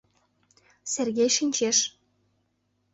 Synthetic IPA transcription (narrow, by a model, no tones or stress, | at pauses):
serɣejʃinʲt͡ɕeʃ